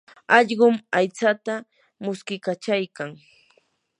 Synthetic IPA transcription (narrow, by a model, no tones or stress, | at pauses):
ɑʎɢʊmajt͡sat̪a | mʊskɪkat͡ʃajkaŋ